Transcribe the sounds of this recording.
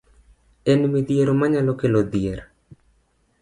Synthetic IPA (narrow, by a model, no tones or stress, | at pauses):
ɛnmid̪ieɾomaɲalokelod̪jeɾ